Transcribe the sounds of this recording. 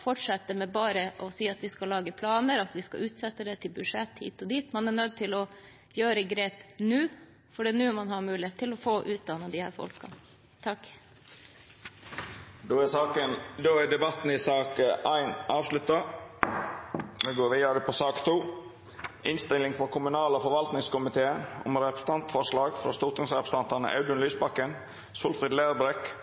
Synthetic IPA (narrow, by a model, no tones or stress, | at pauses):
fɔʈʂɛt̪ːəmɛbɑːɾəʔɔsiːɑt̪ʋɪskɑlːɑːɡəpʰlɑːnəɾɑt̪ʋɪskɑ̰ʉːt̪sɛt̪ːəd̪ɛt̪ʰɪlbʉʂɛt̪hḭːt̪ɔd̪iːt̪mɑnæɳœd̪̚t̪ʰɪlɔ | jøːɾəɡɾeːpnʉː | fɔɖinʉːmɑnɦɑɾmʉːlɪheːt̪ʰːɪlɔfoːʔʉːt̪̚d̪ɑnɑd̪ɪhæ̰ːfɔ̰lkɑ̰ | t̪ʰɑkː | d̪oːæsɑːkənd̪oːæd̪ɛbɑt̪n̩ɪsɑːkʔæɪnʔɑːʋslʉt̪ɑ | ʋɪɡoːɾʋiːəɾəpʰɔsɑːkt̪ʰuː | ʔɪnst̪ɪlɪŋfɾɔkʰʊmʉnɑːləɔfɔɾʋɑlt̪nɪŋskʊmɪt̪ʰeːəɔ̰mɾɛpəst̪ɑnt̪fɔʁʂlɑːɡfɾɑ̰st̪ʊʁt̪ʊŋsʁɛpɾəst̪ɑnt̪ɑnə̰ʔɑ̰ʉd̪ənlyːsbɑkːən | suːlfʁɪd̪læːʁbɾɛk